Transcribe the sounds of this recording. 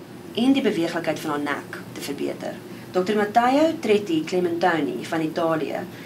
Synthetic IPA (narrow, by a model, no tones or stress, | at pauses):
ʔɛndibəviəχləkɦəjtfɐnɑːnæ̰ktəfərbḭətə̰r | d̥ɔktərmɐtɐjəwtrɛtikleməntɐwnḭfɐnitɑːlḭə̰